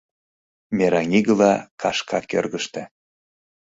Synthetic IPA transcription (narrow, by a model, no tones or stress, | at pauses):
meɾɑŋʲiɣə̆lɑkɑʃkʰɑkø̰rɣəʃt̪ĕ